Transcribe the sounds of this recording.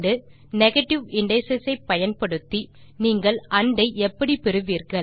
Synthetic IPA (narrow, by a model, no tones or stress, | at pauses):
ɖɯ | nɛɣɐʈːɪʋɪɳɖɐsɐsɐɪpːɐjɐnpɐɽɯt̪ːiniːŋɡɐɭʔɐɳɖɐɪʔɛpːɐɽipɪɾɯʋiːɾɣɐɭ